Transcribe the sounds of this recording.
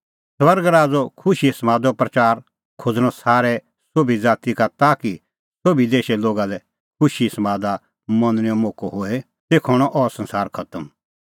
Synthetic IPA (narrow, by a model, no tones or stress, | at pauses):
swɐɾɡɾaːd͡zɔkʰʊʃiɪsmaːd̪ɔpɾɐt͡ʃaːɾ | kʰod͡zɽ̃ɔsaːɾɛ | sobid͡zaːt̪ikat̪aːki | sobʱid̪eːʃɛloːɡalɛ | kʰʊʃismaːd̪a | mɐnñiomoːkoɦoe | t̪eːkʰɔɽ̃ɔʔɔːɾsɐ̃nsaːɾkʰɐt̪əm